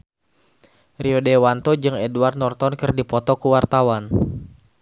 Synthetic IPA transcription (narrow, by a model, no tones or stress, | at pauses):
riɔdewant̪ɔd͡ʒɨŋɛduard̪̚nɔrt̪ɔnkɨrdipɔt̪ɔkuwart̪awan